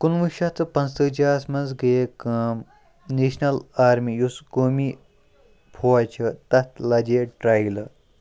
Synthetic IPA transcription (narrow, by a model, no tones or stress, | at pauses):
kunʋuʃɐt̪ɨpɐnst̪əd͡ʒaːsmɐnzɡɐjekɐm | neːʃnɐlaːɾmijuskoːmi | pʰoɐt͡ʃʰɐt̪ɐt̪ʰlɐd͡ʒeːʈɾaːilɐ